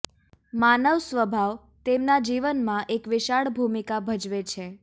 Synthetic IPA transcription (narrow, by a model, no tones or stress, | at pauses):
manəʋsʋəbʱaʋ | t̪emnad͡ʒiʋənmãʔekʋɪʃaɭbʱumikabʱəd͡ʒʋet͡ʃʰe